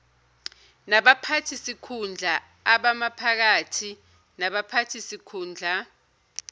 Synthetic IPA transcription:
naɓapʰatʰisikʰund͡ɮʱa | aɓamapʰak̬atʰi | naɓapʰatʰisikʰuːnd͡ɮʱa

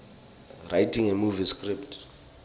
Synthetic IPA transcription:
rajtʰiŋɛmuviskriptʰ

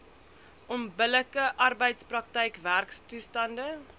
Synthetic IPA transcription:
ʔɔmbələkəʔɐrbəjtsprɐk̚təjkværkstustɐndə

